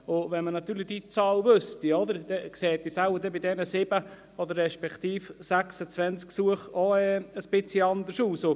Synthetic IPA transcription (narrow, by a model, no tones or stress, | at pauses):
ʊvɛnmənɑt̪yːɾlɪd̥it͡sɑːlvøstiɔd̪əɾd̥ɛkseːt̚d̥isalbədɛbidɛnəsɪb̥ə | ɔd̪əɾːɛʃpɛkt̪iːfsæksət͡svɛnt͡sksuəχɔɛəsb̥ɪt͡sliɑnd̪əsuːso